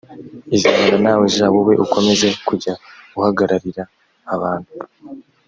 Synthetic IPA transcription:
iziβananaːwezaːwowe̞ʔuko̞me̞ze̞kuɟaɡuhaɡaɾaɾiɾaː | βaːnhu

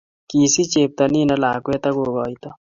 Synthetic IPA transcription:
kiːsit͡ʃeːp̚t̪ɐninɐlaːkuet̪ɐɡoːɡaːit̪a

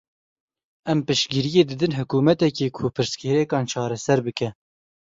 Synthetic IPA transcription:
ɛmpɨʃɡiɾijeːd̪ɨd̪ɨnɦʊkuːmɛt̪ɛkeːkʰʊpʰɨɾskɛɾɛkɑːnt͡ʃʰɑːɾɛsɛɾbɨkɛ

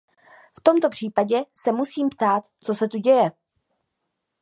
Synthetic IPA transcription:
ft̪o̞mt̪o̞pr̝̥iːpaɟɛsɛmusiːmpt̪aːt̪t͡so̞sɛt̪uɟɛjɛ

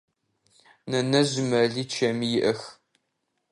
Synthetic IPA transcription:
nɐnɐʑmɐɮiːt͡ʃʰɐmijɪʔɐx

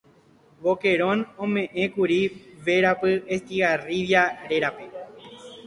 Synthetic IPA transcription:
βoke̞ɾõ̞nõmẽ̞ʔẽkuɾiʋe̞ɾapɨest̪iɣariʋjaɾe̞ɾape̞

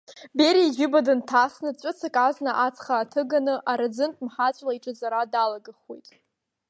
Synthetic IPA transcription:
beɾiʒʊbadɨntʰasnɨd̚t͡ɕʷʼʊt͡sʰakʼaznaʔat͡sʰʼχaːtʰɨɡanɨʔaɾad͡zɨntʼmħat͡ɕʷʼlaiʈ͡ʂʼɨzaɾadalaɡɨχwḛjtʼ

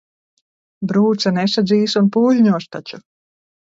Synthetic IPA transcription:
bɾuːt̪sanɛsad̪ziːsunpuːʎʲɲuɔʃt̪at͡ʃu

